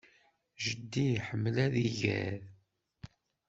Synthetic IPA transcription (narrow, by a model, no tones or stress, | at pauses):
ʒəd̪ːiħəmːəlæðiʝæ̰ð